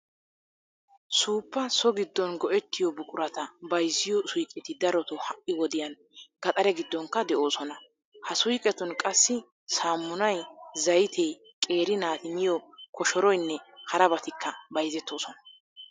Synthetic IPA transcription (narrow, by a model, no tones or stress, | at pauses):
suːpːɐsɔɡɪd̪ːɔnɡɔʔɛt̪ːɪjɔbʊkʼʊɾɐt̪ɐbɐjzːɪjɔsʊjkʼɛt̪ɪd̪ɐɾɔt̪ɔhɐʔɪwɔd̪ɪjɐn | ɡ̥ɐt̪ʼɐɾɛɡɪd̪ːɔŋkːɐd̪ɛʔo̞ːsɔnɐ | hɐsʊjkʼɛt̪ɔnkʼɐsːɪ | saːmːʊnɐjzɐjt̪ʰɛj | kʼe̞ːɾɪnaːt̪ɪmɪjɔkʰɔʃɔɾɔjnːɛhɐɾɐbɐt̪ɪkʰːɐbɐjzɛt̪ːo̞ːsɔnɐ